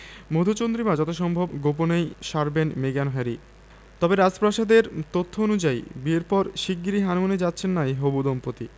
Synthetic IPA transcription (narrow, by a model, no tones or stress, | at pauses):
mod̪ʱot͡ɕond̪ɾimad͡ʑɔt̪oʃɔmbʱobɡop̬onejʃaɾbenmeɡanoɦeɾi | t̪ɔbeɾad͡ʑpɾaʃad̪eɾt̪ot̪ʰːoonud͡ʑajbieɾpɔɾʃiɡɡiɾiɦanmoned͡ʑatːɕʰenːaiɦobud̪ɔmpot̪i